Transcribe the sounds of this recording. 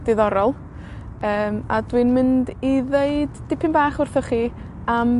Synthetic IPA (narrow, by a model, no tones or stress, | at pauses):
d̥ɪðɔɾɔlˠ | əːma̰dwinmɪndiðeɨd̥ | ɪpʰɪnbaːχʊrθɔχiː | am